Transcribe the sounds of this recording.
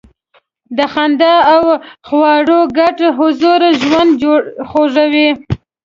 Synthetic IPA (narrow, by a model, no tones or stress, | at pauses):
d̪əxand̪ɑawxwɑɽoɡaʈɦʊzuɾʒwand̪d͡ʒoɽxoʒawi